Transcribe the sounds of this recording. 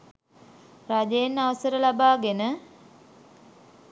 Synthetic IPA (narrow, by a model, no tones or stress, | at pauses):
rad͡ʒejenːaʋəsəɾəlabaːɡenə